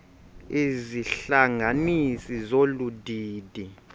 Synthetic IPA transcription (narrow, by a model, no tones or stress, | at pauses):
iziɬaŋanisizoludʱiːd̥ʱi